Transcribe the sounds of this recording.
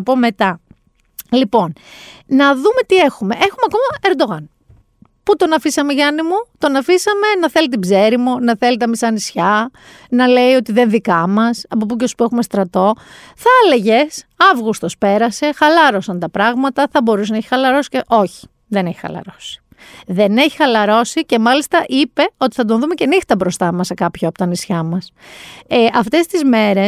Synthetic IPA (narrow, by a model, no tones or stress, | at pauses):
po̞me̞t̪ɐ | lipo̞nnɐðume̞t̪ie̞xume̞ʔexumeɐko̞mɐeɾd̪o̞ɣɐn | put̪o̞nɐfisɐmeʝɐnimut̪o̞nɐfisɐme̞nɐθe̞lit̪̬ibze̞ɾimunɐθe̞lit̪ɐmisɐnisçɐ | nɐle̞io̞t̪iðe̞nðikɐmɐsɐpop̬ucespuexume̞st̪ɾɐt̪o̞θɐeleʝe̞sɐvɣust̪o̞spe̞ɾɐse̞xɐlɐɾo̞sɐnt̪ɐpɾɐɣmɐt̪ɐθɐbo̞ɾusenɐeçi̥xɐlɐɾo̞si̥ceʔo̞çi̥ | ðe̞neçi̥xɐ̰lɐ̰ɾo̞̥si̥ | ðe̞ne̞çi̥xɐlɐɾo̞sice̞mɐlist̪ɐʔipe̞o̞t̪i̥θɐt̪̬onðume̞ce̞nixt̪ɐbɾo̞st̪ɐmɐsekɐpçoɐpot̪ɐnisçɐmɐs | ʔɐft̪e̞st̪izme̞ɾe̞s